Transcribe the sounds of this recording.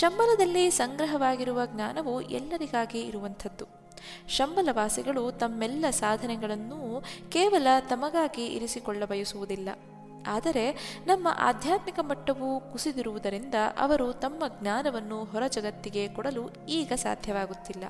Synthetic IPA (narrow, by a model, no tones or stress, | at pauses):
ʃɐmbɐlɐd̪ɐlːisɐŋɡɾɐɦɐʋaːɡiɾuʋɐɡnaːnɐʋuʔɛ̰lːɐɾiɡaːɡiːɾuʋɐnt̪ʰɐd̪ːu | ʃɐmbɐlɐʋaːsiɡɐɭut̪ɐmːɛlːɐsaːd̪ʱɐnɛɡɐɭɐnːukɛːʋɐlɐt̪ɐmɐɡaːɡiḭɾisikɔɭːɐbɐjɐsuʋud̪ilːɐ̰ | aːd̪ɐɾe̞nɐmːɐ̰ʔa̰ːd̪ʱjaːt̪mikɐmɐʈːɐʋukusid̪iɾuʋud̪ɐɾind̪ɐʔɐ̰ʋɐɾut̪ɐmːɐɡnaːnɐʋɐnːuɦɔɾɐd͡ʒɐɡɐt̪ːiɡe̞kɔɽɐlu | iːɡɐsa̰ːd̪ʱjɐʋaːɡut̪ːilːɐ̰